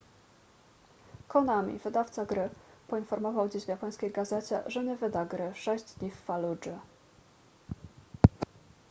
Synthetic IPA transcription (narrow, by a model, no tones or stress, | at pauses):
kɔnamʲḭvɘd̪aft̪saɡɾɘpɔinfɔɾmɔvawd͡ʑeʑvʲjapɔj̃skʲejɡazɛt͡ɕɛ̰ʐɛɲɛvɘd̪aɡɾɘʂɛʑd͡ʑd̪ɲifːalud͡ʐɘ